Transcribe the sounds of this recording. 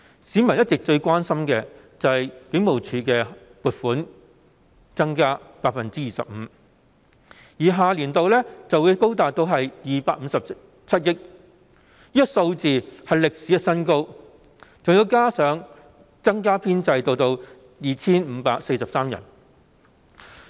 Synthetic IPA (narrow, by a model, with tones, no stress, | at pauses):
siː˨˥mɐ˨˩njɐ˥t̚t͡sɪ˨k̚t͡ʃɵ˧ɥkʷwaː˥nsɐ˥mkɛː˧ | t͡sɐ˨˧hɐ˨jkɪ˨˥ŋmo˨˩wt͡ʃʰyː˧kɛː˧ | puː˨t̚fuː˨˥n | t͡sɐ˥ŋkaː˥paː˧k̚fɐ˨nt͡siː˥jiː˨sɐ̰˨p̚m̩ː˨˦ | jiː˨˩ɦaː˨liː˨˩nt̪o˨wlɛ˥t͡sɐ˨wuː˨˧jko˥wt̪̬aː˨k̚t̪o˧wɦɐ˨jjiː˨paː˧k̚m̩˨˧sɐ˨p̚ | t͡sʰɐ˥t̚jɪ˥k̚ | iː˥tso˧wt͡siː˨hɐ˨jlɪ˨k̚si˨˥jɐ˥t̚sɐ˥nko˥w | t͡sʊ˨ŋji˨˧wkaː˥sœː˨˥ŋ | t͡sɐ˥ŋkaː˥pʰiː˥nt͡sɐ˧jt̪o˧wt̪o˧w | jiː˨t͡sʰiː˥nm̩˨˧paː˧k̚se˧sɐ˨p̚saː˥mjɐ̰˨˩n